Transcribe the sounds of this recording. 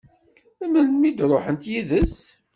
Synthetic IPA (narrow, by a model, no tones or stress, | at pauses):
æmənnmid̪ɾˤoħənt̪jiðəs